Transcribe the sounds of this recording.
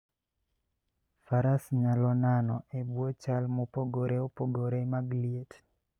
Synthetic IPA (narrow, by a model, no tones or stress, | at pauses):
faɾasɲalɔnanɔebwot͡ʃalmopoɡoɾeopoɡoɾemaɡliet